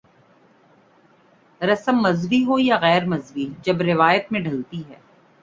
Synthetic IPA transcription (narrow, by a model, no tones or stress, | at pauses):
ɾɐsəmːɐzʋiɦojaɣɛːɾmɐzʋid͡ʒɐbɾɪʋaːjət̪mẽɖʱɐlt̪iɦɛ̰ː